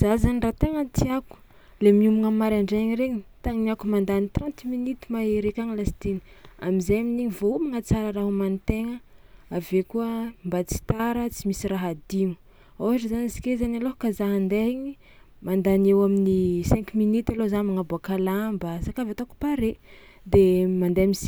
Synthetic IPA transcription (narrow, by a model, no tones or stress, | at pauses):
zazanirat̪eŋant̪iaku̥ | lemiumuŋamːaɾaɳɖ͡ʐeɲiɾeɲit̪aŋiniakumand̪anit̪rãnt̪minit̪i̥maeɾekʲaŋilasi̥t̪eni̥a̰mizajaminiɲivoumaŋat͡saɾəraɦumanit̪eŋəavekuəmbat͡si̥t̪aɾət͡simisiɾaɦad̪iŋu̥ | awaʈ͡ʂəzanisi̥kezanalokazaɦand̪eɲi | mand̪anewaminisɛ̃ŋkuminit̪alozanmaŋabuakalambəsakavat̪oku̥paɾe | d̪emand̪ejamis